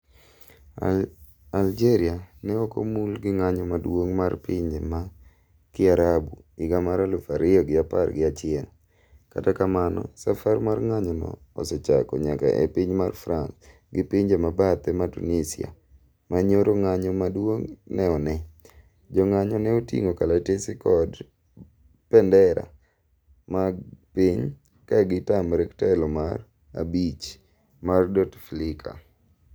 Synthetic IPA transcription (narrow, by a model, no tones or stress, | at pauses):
ald͡ʒeɾɪanɛoko̰mulɡɪŋaɲɔmadwoŋmarpiɲd͡ʒema | kɪaɾabuɪɡamaɾalofaɾɪjɔɡɪapa̰rɡɪat͡ʃɪɛl | ka̰takamanɔ̰safarmarŋaɲɔnɔ̰ɔ̰sɛt͡ʃa̰kɔ̰ɲaka̰ʔḛpiɲmarfɾans | ɡɪpiɲd͡ʒemabat̪ɛmatṵnisḭa̰ | maɲoɾoŋaɲɔmadwoŋnɛɔnɛ | d͡ʒɔŋaɲɔnɛotḭŋokalatesɪkɔd | pɛndɛɾa̰ | mapiɲ | kaɡɪtamɾɛktaɛlɔmar | a̰bit͡ʃ | mardɔtflɪkʰa̰